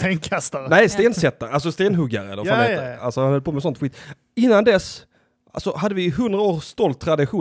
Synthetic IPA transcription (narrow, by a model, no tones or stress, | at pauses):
t̪eːnkʰast̪aɾnɛjst̪eːnsɛt̪ːaɾals̬ɔst̪eːnɦɵɡːa̰ɾəɛ̰lːəɾfaea̰lsɔaanhœlpʰoːmɛsɔnt̪ɧiːt̪ | ɪnːand̪ɛs | ʔa̰lsɔɦad̪ːəvɪɦɵnd̪ɾaoːɾst̪ɔlt̪ʰːɾad̪ɪɧuː